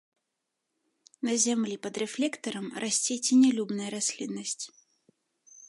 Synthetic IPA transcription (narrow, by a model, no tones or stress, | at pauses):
nɐzʲamlʲipɐd̪ɾɛflʲɛkt̪ɐɾɐmrʔasʲt͡sʲet͡sʲinʲɛlʲubnɐjɐɾasʲlʲinːɐsʲt͡sʲ